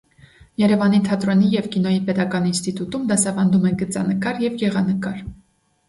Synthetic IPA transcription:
jɛɾɛvɑnit̪ʰɑt̪ɾɔnijɛvkinɔjipɛt̪ɑkɑninst̪it̪ut̪umd̪ɑsɑvɑnd̪umɛnɡət͡sɑ̰nəkɑɾjɛvjɛʁɑnəkɑɾ

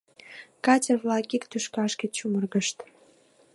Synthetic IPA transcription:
kɑt͡ɕʲəvlɑkikt̪yʃkɑʃket͡ɕumərɣəʃt̪

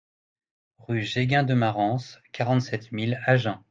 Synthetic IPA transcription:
ʁyʒeɡɛ̃d̪əmaʁɑ̃skʲaʁɑ̃t̪sɛt̪milaʒɛ̃

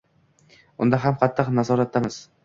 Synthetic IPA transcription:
ʊnd̪aɦamqʰɑt̪ʰːɨqnazɒɾat̪̚ːamɪz̥

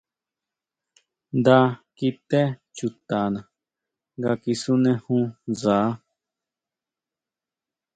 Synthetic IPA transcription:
d̪akit̪ɛt͡ʃut̪aːna | ɡakisunɛhũzaː

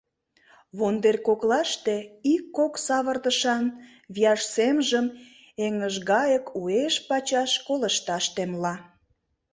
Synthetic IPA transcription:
βond̪erʲkoklɑʃt̪eikːoksɑβə̆rd̪əʃɑn | βijɑʃsemʒəm | eŋəʒɣɑjəkʰueʃpɑt͡ɕɑʃkoləʃt̪ɑʃt̪emlɑ

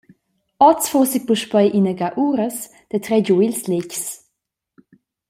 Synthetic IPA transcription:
ɔt͡sfosik̚puʃpɛjʔinəɡaʔuːɾəs | d̥ətɾɛɟuilslɪcs

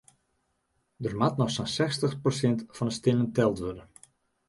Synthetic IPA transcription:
dərmatnɔxsonsɛstəxprosɪntfɑnəstɪnəntɛlˠtʋødən

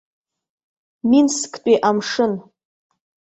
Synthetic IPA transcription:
minskʰʼt͡pʼiʔamʂɨn

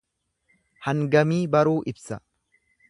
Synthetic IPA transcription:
hɐŋɡɐmiːbɐɾuːʔɪbsɐ

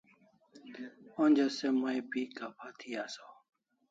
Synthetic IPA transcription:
õːnd͡ʒəseːmaːĩːpiːkaːpʰaːt̪ʰiːaːsoː

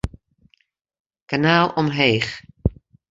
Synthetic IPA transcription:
kanaːlˠɔmɦejχ

